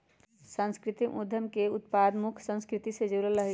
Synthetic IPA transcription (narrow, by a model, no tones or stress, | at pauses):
sãnskɾit̪imud̪ʱjəmkeut̪pad̪mukʰsə̃nskɾit̪ised͡ʒulələɦi